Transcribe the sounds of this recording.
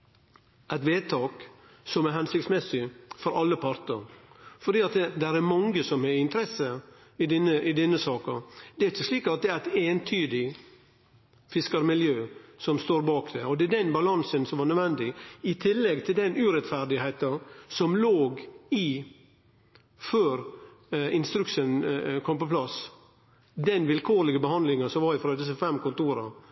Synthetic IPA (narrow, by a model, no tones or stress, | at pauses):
ʔæɪt̪ʋeːt̪ʰɑːk | sɔmæɾɦɛnsɪkt̪smɛsɪfɔɾɑlːəpʰɑɾt̪əɾfɔɖ̪iːɑt̪d̪ɛɾæɾmɑŋɡəsɔmɛɪnt̪əɾɛsə | ɪd̪ɪnːəʔɪd̪ɛnːəsɑːkəd̪ɛæɾɪçːəsliːkɑt̪̚d̪ɛæɾæɪt̪eːnt̪ʰyːd̪ɪ | fɪskəɾmɪljøːsɔmst̪oːɾbɑːkd̪ɛɔd̪ɛd̪ɛnbɑlɑnsənsɔmʋɑɾnœd̪ʋɛnd̪ɪɪt̪ʰɪlːɛɡ̚t̪ʰɪld̪ɛnʉːɾɛt̪fæɾd̪ɪheɪt̪ɑsɔmloːɡi | føːɾ | ɪnst̪ɾʉkʂənkʰɔmpɔpʰlɑs | d̪ɛnʋɪlkʰoːɾlɪɡəbəhɑnd̪lɪŋəsɔmʋɑɾɪfɾɑd̪ɪs̬əfɛmkʊnt̪uːɾɑ̰